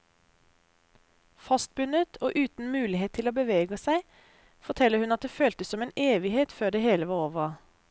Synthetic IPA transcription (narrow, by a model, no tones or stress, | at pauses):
fɑst̪̚bʉnət̪ʰoːʔʉːt̪n̩mʉːlɪheːt̪ʰːɪloːbəʋeːɡəsæɪ | fɔt̪ʰɛləhʉnɑt̪̚d̪eːføːlt̪əsɔmeːneːʋɪheːt̪føːɖ̪eːheːləʋɑːʁoːʋə